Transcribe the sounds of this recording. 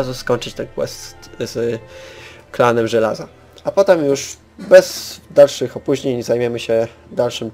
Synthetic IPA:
zuskɔɲt͡ʂɘt͡ɕt̪ɛnkwɛ̰st̪t̪z | klanɛmʐɛla̰za | apɔt̪ɛmjuʂ | bɛz̥d̪alʂɘxɔpuʑɲeɲzajmʲjɛmɘɕɛd̪alʂɘm

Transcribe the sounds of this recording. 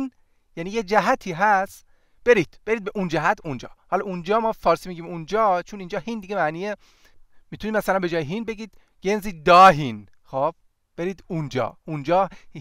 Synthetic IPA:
n | jæniːjed͡ʒæɦæt̪ʰiːɦæs | b̥eɾiːd̪̥b̥e̞ɾiːd̪be̞ʔund͡ʒæɦæt̪ʰund͡ʒɒ̰ːhɒlɒund͡ʒɒːmɒːfɒːɾsiːmiɟiːmund͡ʒɒːt͡ʃʰoniːnd͡ʒɒːɦind̪iɡe̞mæʔniːe | mit̪uniːmmæsælænbed͡ʒɒːjeɦinbe̞ɡiːd̪ | ɡ̥e̞nziːd̪ɒːɦin | xob̥ | b̥e̞ɾiːd̪und͡ʒɒ̰ːund͡ʒɒː

